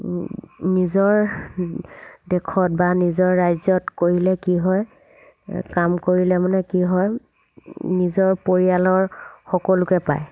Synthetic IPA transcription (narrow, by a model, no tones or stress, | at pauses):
nizɔɹ | dɛkʰɔtbanizɔɹːajzɔtkoɹilɛkiɦɔj | kamkoɹilɛmanɛkiɦɔj | nizɔɹpoɹijalɔɹxɔkɔlʊkɛpa̰j